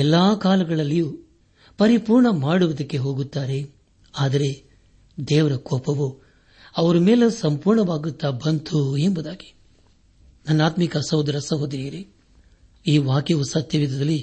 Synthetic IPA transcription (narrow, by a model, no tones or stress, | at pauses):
ɛlːaːkaːlɐɡɐɭɐlːiju | pɐɾipuːɾɳɐmaːɽuʋɐd̪ɐkːe̞ɦo̞ːɡut̪ːaːɾe̞ | aːd̪ɐɾe̞ | d̪ɛːʋɐɾɐkɔːpɐʋu | ɐʋɐɾumeːlesɐmpuːɾɳɐʋaːɡut̪ːaːbɐnt̪ʰuembud̪aːɡi̥ | nɐnːaːt̪mikɐsɐwd̪ɾɐsɐɦoːd̪ɾiːɾi | iːʋaːkjɐʋusɐt̪jɐʋid̪ɐd̪ɐlːi